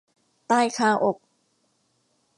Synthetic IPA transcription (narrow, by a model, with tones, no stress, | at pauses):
t̪aː˥˩jkʰaː˧˩ʔo˨˩k̚